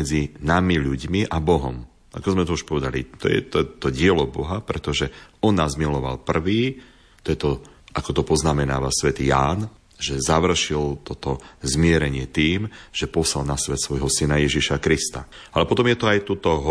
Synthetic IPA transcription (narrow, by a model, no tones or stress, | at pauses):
ɛd͡zinamiʎuɟmiʔabɔɦɔ̰m | a̰kɔzmɛt̪ɔuʃpɔʋɛd̪alḭt̪ɔ̰jɛ̰t̪ɔɛt̪ɔɟɪɛlɔbɔɦapɾɛt̪ɔʒɛɔnːaːzmilɔʋa̰lpr̩ʋiː | t̪ɔjɛt̪ɔ | ʔakɔt̪ɔpɔznamɛnaːʋasʋɛt̪iːjaːn | ʒɛzaʋr̩ʃilt̪ɔt̪ɔzmɪɛɾɛɲɪɛt̪iːmʒ̥ɛpɔsalnasʋɛt̪sʋɔjɦɔsinajɛʒiʃakɾist̪a̰alɛpɔt̪ɔmjɛt̪ɔajt̪uːt̪ɔɦ